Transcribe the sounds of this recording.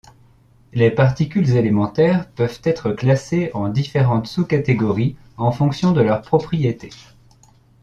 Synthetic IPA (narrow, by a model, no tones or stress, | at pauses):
lepaʁt̪ikʲylzelemɑ̃t̪ɛʁpœvt̪ɛt̪χəklaseɑ̃d̪ifeʁɑ̃t̪sukat̪eɡɔʁi | ɑ̃fɔ̃ksjɔ̃d̪əlœʁpχɔpχijet̪e